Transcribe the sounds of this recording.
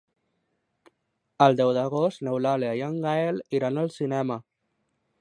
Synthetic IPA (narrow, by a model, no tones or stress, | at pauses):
əlˠd̪ɛwðəɣost̪newlaleajaŋɡaeliɾanəlˠsinɛmə